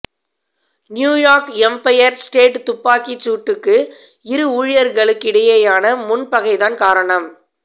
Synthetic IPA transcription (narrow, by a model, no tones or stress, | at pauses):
njuːjaːɾkɛmpɐjɐɾsʈeːʈt̪ʊpːaːkit͡ʃːuːʈːɯkːɯɪɾɯuːɻjɐɾɣɐɭɯkːɪɽɐjɐjaːnɐmʊnpɐɣɐɪðaːnkaːɾɐɳɐm